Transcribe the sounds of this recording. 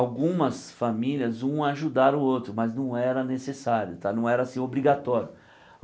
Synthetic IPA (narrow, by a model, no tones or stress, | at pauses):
awɡũmɐsfamiliɐzũaʒud̪aɾ̃ot̪ɾʊmɐznɐ̃w̃ɛɾɐnesesaɾjʊt̪anɐ̃w̃ɛɾɐasĩobɾiɡat̪ɔɾjʊ